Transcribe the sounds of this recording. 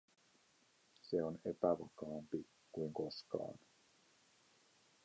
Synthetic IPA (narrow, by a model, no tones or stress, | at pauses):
seo̞ne̞pæʋɑkɑːmpi | kujŋko̞skɑ̰ːn